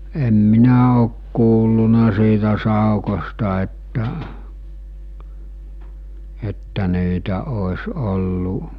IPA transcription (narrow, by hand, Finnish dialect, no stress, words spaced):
em minæ oˑk kuːlːunɑ siːtæ sɑˑukostɑ etːæ etːæ niːtæ oˑes olːu